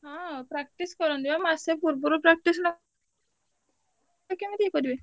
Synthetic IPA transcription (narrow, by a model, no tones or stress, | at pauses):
ɦɔ̃pɾak̚ʈiskɔɾɔnd̪ibamasepuɾbuɾupɾak̚ʈisnɔ | kemed̪iekɔɾibe